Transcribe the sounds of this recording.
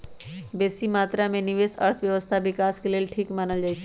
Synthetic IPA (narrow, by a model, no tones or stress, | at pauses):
bɛːsimaːt̪ɾamẽnɪʋeːsə̰ɾt̪ʰʋjəʋəst̪ʰaʋɪkaːskeleːlʈʰiːkmaːnəld͡ʒaːit͡ʃʰ